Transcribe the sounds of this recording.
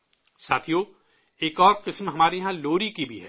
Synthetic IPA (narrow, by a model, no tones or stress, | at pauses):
saːt̪ʰijoː | eːkɔːɾqɪsmɦɐmaːɾeɦãloːɾikibʱiɦɛː